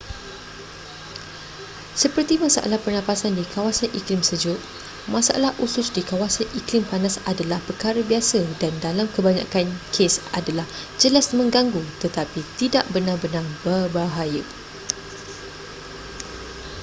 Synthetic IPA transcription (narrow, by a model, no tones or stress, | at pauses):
səpərt̪imãsa̰ʔa̰lahpərnapasandikʰawasanʔiklɪmsəd͡ʒʊt̪̚ | mãsaʔa̰lahʔusʊsdikawasaniklɪmpanasadalahpərkaɾəbiasədandalamkəbaɲã̰kankʰesa̰dalah | d͡ʒəlasmə̃ŋɡaŋɡut̪ət̪apit̪idaʔbərnarbənarbərbaɦajə